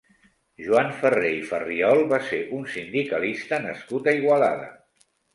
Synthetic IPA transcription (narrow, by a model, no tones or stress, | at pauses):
ʒuaɱfərejfəriɔlˠβaseʔunsind̪ikəlist̪ənəskut̪əiɣwala̰ðə̰